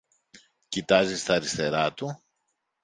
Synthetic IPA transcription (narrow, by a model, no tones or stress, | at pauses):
cit̪ɐzist̪ɐːɾist̪e̞ɾɐt̪u